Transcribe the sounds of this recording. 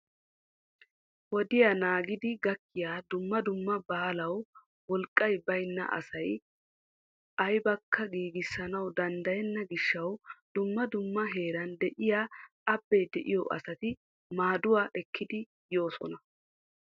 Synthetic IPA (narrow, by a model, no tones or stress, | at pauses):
wɔd̪ɪjanaːɡɪd̪ɪɡɐkːɪjaːd̪ʊmːɐd̪ʊmːɐbaːlɐw | wɔlkʼːɐjbɐjnːɐ̰ʔɐ̰sɐj | ʔɐjbɐkʰːɐɡiːɡɪsːɐnɐwd̪ɐnd̪ɐjɛnːɐɡɪʃːɐwd̪̥ʊmːɐd̪ʊmːɐɦe̞ːɾɐnd̪ɛʔɪjaː | ɐbːɛjd̪ɛʔɪ̰jɔʔɐ̰sɐt̪ɪ | maːd̪ʊwaːʔɛkʰːɪd̪ɪ | jo̞ːsɔ̰nɐ